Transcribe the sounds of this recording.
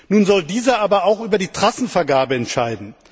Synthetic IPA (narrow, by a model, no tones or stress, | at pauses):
nuːnzɔldiːzɐʔaːbɐaʊxʔyːbɐɾiːtʁ̥asn̩fɛɐɡaːbəɛntʃaɪdn̩